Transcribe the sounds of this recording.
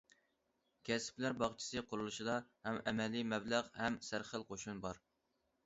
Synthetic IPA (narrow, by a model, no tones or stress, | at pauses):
kʲʰɛsɪ̥plæɾbɑχt͡ʃʰi̥sɨqʰʊɾulˠuʃid̪ɑhɛmɛmɛlimɛblæʁhɛmsæɾχəlˠqʰoʃunbɑɾ